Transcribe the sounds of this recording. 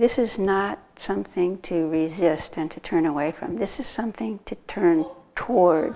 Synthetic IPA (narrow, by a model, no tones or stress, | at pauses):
ðɪsɨznət̚sʌ̃mθɪ̃ŋtʰɨɹizɪstɨ̃ntʰɨtʰɜ̃˞ñəweɪfɹʌ̰̃mðɪsɨz̥sʌ̃mθɪ̃ŋtʰɨtʰɜ̃˞ntʰɔɹd̥